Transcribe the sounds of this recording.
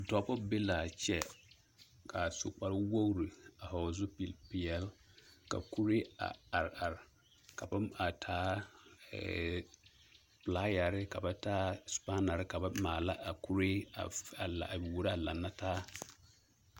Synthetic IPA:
dɔ˨˦bɔ˦be˦la˨t͡ʃɛ˦ | kʰa˨so̰˨k͡pa˦ɾwo˦ɣɾi˨a˨hɔ˨zʊ˦pi˨lpɪ˨ɛ˦lka̰˨ku˦ɾe˦a̰˨a˨ɾa˨ɾɪ˨ | ka˨ba˦a˨tʰaː˦ɛ̰˨ | pla˦ja˨ɾɪ˦ka˨ba˦taː˦spa˦na˨ɾɪ˦ka˨ba˦maː˨la˦ʔa˨ku˦ɾe˦a̰˨a˨la˨wo˨ɾa˨la˨nːa˦taː˦

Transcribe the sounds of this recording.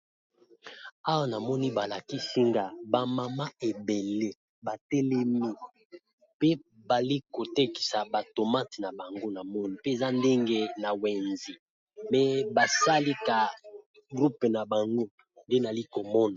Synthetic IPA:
a˦wa˦na˨mɔ˦ni˦ba˨la˨ki˦si˦ŋɡa˦ba˨ma˨ma˦e˨be˨le˦ | ba˨tɛ˦lɛ˦mi˦ | pe˦ | ba˨li˦ko˨te˦ki̥˨sa˨ba˨to˨ma˦ti˨na˨ba˨ŋɡo˦na˨mɔ˦ni˦pe˦e˨za˦nde˦ŋɡe˦na˨wɛ˨nzi˨ | mɛ˨ba˨sa˦li˦ka˨ | ɡʁu˦pna˨ba˨ŋɡo˦ | nde˦na˨li˦ko˨mɔ˦na˨

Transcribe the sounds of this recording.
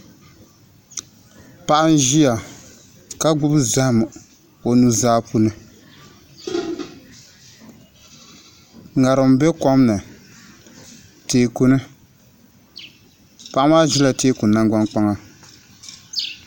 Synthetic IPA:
pa˦˨ʔa˦n˦ʒi˦ja˨ | ka˦ɡ͡bʊ˦bza˦hm˨ | o˨nu˦zaː˦pu˦nɨ˦ | ŋa˨ɾɨ˨m˦bɛ˦ka˦mnɨ˨ | teː˨ku˦nɨ˦ | pa˨ʔa˦maː˦ʒi˦la˨teː˦ku˨nːa˦ŋɡ͡ba˦nk͡pa˦ŋa˨

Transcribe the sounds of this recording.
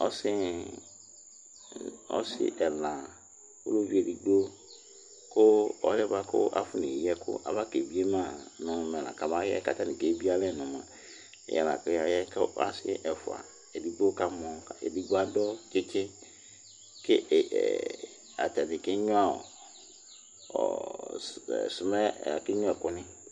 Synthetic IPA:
ɔ˦sɪ˦ | ɔ̰˦sɪ̰˦ʔɛ˨lã˨ | o̰˦lo˦vi˦e˨di˨ɡ͡bo˦ | kʊ˦ɔ̰˦lɛ˦ba˦kʊ̰˦ʔa̰˦fʊ˦nĩ˨jɛ˦kʰʊ̰˦ʔa̰˨ba˦ke˨bi˦e˦mã˦˨nʊ̃˨mɛ̃˨lã̰˨ka˨ba˦jɛ˦ka˦t̪a˦nɪ̃˨ke˨˦bi˦a˦lɛ˦˨nʊ̃˨mã̰˨ | ɛ̰˨jɛ̰˨la̰˨kja˨jɛ˦ka̰˦sɪ̰˦ʔɛ˨fʊ̰˨a̰˨ | ɛ˨di˦ɡ͡bo˦ka˦mɔ̃˨ḛ˨di˦ɡ͡bo˦a˦dɔ˦t͡ʃe˦t͡ʃe˦ | kɪ˦˨ | a̰˨ta˨nɪ̃˨kɪ˦ɲʊ̃˦a˦ɔ̰˨ | ɔ̰˨ | sʊ˨mɛ˦˨a˨kɪ˦ɲʊ̃˦ɛ˨kʊ˦nɪ̃˦

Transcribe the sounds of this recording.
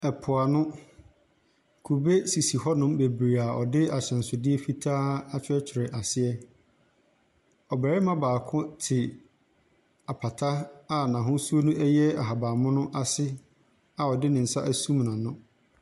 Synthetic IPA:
ɛ˨pʰʊ˨a˨nʊ̃˦ | kʰu˨be˦si˨si˨hɔ˦nʊ̃˦mbe˨bɾi˨a˨ɔ̰˨dɪ˦a˨ɕɛ̃˨n̩˨sʊ˨dɪ˦ɛ˦fi˦tʰaː˦a˦t͡ɕʰᶣɪ˦ɛ˦t͡ɕʰɪ˨ɾɪ˨ʔa˨sɪ˦ɛ˦ | ɔ˨bɛː˨ɾɪ˦mã˦baː˨kʰʊ̃˦tʰɪ˨ | a˨pʰa˨tʰa˦a˦nã˨ɦʊ̃˦su˦o˦nʊ̃˦ɛ˦jɛ˦a˨ɦa˨ba˨mʊ̃˦nʊ̃˦ʔa˦sɪ˦ | a˨ɔ˨dɪ˦nɪ̃˨n̩˨sa˦ʔæ˦sũ˦m˨nã˨nʊ̃˦

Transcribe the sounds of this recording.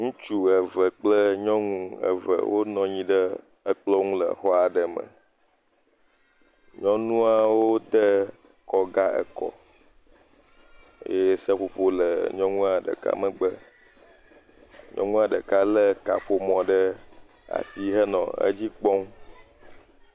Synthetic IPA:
ŋũ˦t͡ʃu˦ə˨və˨k͡plə˦ɲɔ̃˦ŋũ˦ə̰˨və̰˨wʔo˦nɔ̃˨ɲĩ˦ɖə˦ | ə˦k͡plɔ˦ŋũ˦lə̰˨xɔ˦a˨ɖə˨mə̰̃˨ | ɲɔ̃˦nũ˦a˨wo˦d̪ə˦ | kɔ˨ɡa˦ə̰˨kɔ̰˨˦ | jsə˦ɸo˨ɸo˦lə˨ɲɔ̃˦ŋũ˦a˨ɖə̰˨ka̰˦mə˨ɡ͡bə˦ | ɲʔɔ̃˦ŋũ˦a˨ɖə˨ka˦lə˦ka̰˨ɸo˦mɔ̃˨ɖə˦ | a̰˨si˦ɦə˦nɔ̰̃˨ə̰˦d͡ʑi˦k͡pɔ̃˦ŋ˦

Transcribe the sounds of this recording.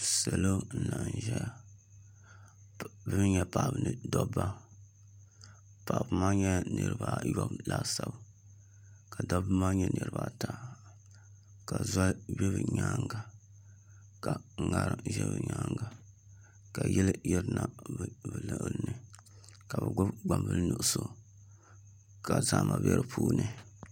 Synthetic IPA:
sɛ˨lo˦n̩˨la˨ʔn˨ʒɛ˦a˨ | bɨ˦m˦ɲɛ˦pa˨ʔbɨ˨nɨ˨˦dɔ˦bːa˦ | pa˨ʔbɨ˨ma˦ɲɛ˦nɨ˨ɾɨ˨ba˨jɔ˦bla˦sa˨b | ka˨dɔ˦bɨ˦ma˦ɲɛ˦nɨ˨ɾɨ˨ba˨ta˨ | ka˨za˦bɛ˦bɨ˨ɲaː˦ŋɡa˨ | ka˨ŋa˦ɾɨ˦ʒɛ˦bɨ˨ɲaː˦ŋɡa˨ | ka˨jɛ˦lɨ˦jɛ˦ɾna˨bbɨ˨lɨ˨ʔɨ˨lɨ˦nɨ˨ | ka˨bɨ˨ɡ͡bʊ˦bɡ͡ba˨mbɨ˦lnu˨ʔso˦ | ka˨zaː˦mʔa˨bɛ˦ɾɨ˨pʰuː˦nɨ˨

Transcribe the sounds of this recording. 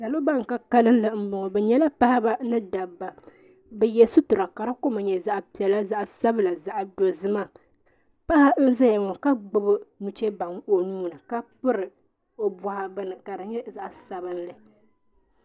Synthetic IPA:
da˨lo˦ba˦ŋ˨ka˨ka˦lɨ˦n˦lɨ˨m̩˦bʊ˨ŋɔ˨bɛ˨ɲɛ˦la˦pa˦ha˦ba˦nɨ˦da˨bːa˨ | bɛ˨jɛ˨sʊ˦tʊ˨ɾa˨ka˨ɾa˦ko˦ma˨ɲɛ˨za˦ʔpi˨ɛ˨la˦za˦ʔsa˦bɨ˦la˨za˦ʔdo˨zɨ˦ma˦ | pa˦ha˦n̩˦za˦ja˨ŋɔ˨ka˦ɡ͡bʊ˨bɨ˦nu˨t͡ʃɛ˦ba˨ŋo˦nuː˦na˨ka˦pɨ˦ɾɨ˨ | o˦ba˨ha˨bɨ˦nɨ˨ka˨ɾɨ˨ɲɛ˦za˦ʔsa˨bɨ˦n˦lɨ˨

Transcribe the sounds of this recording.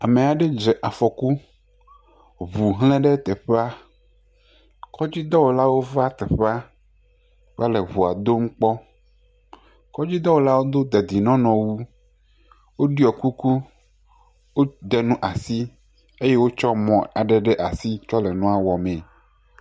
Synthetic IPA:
a˨me˨a˨ɖe˦d͡ʒɛ˨ʔa˨fɔ˨ku˦ | βu˨ɦlɛ̃˦ɖe˦t̪ɛ˨ɸe˦a˦ | kʰɔ˦d͡ʑi˦d̪ɔ˦wo˨la˦wo˦va˦t̪ɛ˨ɸe˦a˦ | k͡pa˦le˨βu˨a˨d̪o˦m̩˦k͡pɔ˦ | kɔ˦d͡ʑi˦d̪ɔ˦wo˨la˦wo˦d̪o˦d̪e˨d̪i˨nɔ̃˦nɔ̃˨wu˦ | wo˦ɖi˦ɔ˨ku˦ku˦ | wo˦d̪e˨nũ˦ʔa˨si˦ | e˦je˦wo˦t͡ʃɔ˦mɔ̃˨a˨ɖɛ˨ɖe˦ʔa˨si˦t͡ʃɔ˦le˨nɔ̃˦a˨wɔ˨mẽ˨

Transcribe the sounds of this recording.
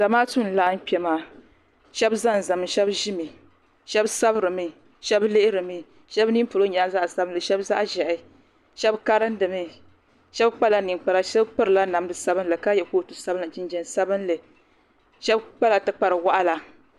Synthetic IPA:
d̥a˨maː˦tu˦n˨la˦n̩˦k͡pɛ˨maː˨ | ʃɛ˦bza˦˨n˨za˨mɨ˨ʃɛ˦bʒi˦mɨ˨ | ʃɛ˦bsa˦bɾɨ˨mɨ˨ | ʃɛ˦blɨ˦ʔɪ˦ɾɨ˨mɨ˨ | ʃɛ˦bni˦pʊ˨lo˦ɲa˨˦za˦ʔsa˦bɨ˦nlɨ˨ʃɛ˦bza˦ʔʒɛ˨ʔɪ˦ | ʃɛ˦bka˦ɾɨ˦n˦dɨ˨mɨ˦ | ʃɛ˦bk͡pa˦la˦ni˨ŋk͡pa˨ɾa˦ʃɛ˦bk͡pɨ˦ɾɨ˨la˦na˨m˦dɨ˦sa˦bɨ˦n˦lɨ˨ka˦jɛ˨ko˦˨tu˨sa˦bɨ˦nɨ˨d͡ʒi˦nd͡ʒɛ˨n˨sa˦bɨ˦n˦lɨ˨ | ʃɛ˦bk͡pa˦la˨tɨ˦k͡pa˨ɾɨ˨wa˦ʔa˦la˨

